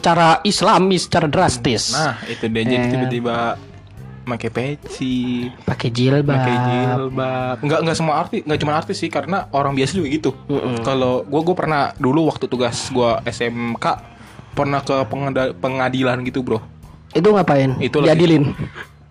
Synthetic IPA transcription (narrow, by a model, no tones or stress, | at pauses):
sə̥t͡ʃaɾaislamɪsə̥t͡ʃaɾadɾast̪ɪsnahit̪udiad͡ʒat̪ibət̪ibaʔ | makɛpet͡ʃipakɛd͡ʒɪlbaakad͡ʒilbap̚ŋɡaʔŋɡaʔsəmuaːrt̪iŋɡaʔt͡ʃumanart̪ɪsɪhkaɾənaoɾaŋbiasad͡ʒuɡaɡit̪um̩kaloɡuaɡuapərnaduluwak̚t̪ut̪uɡasɡuaɛsɛmkaʔ | pərnahkəpəŋdapəŋadilanɡit̪ubɾoh | it̪̬uŋapaɪnit̪uldiadilɪn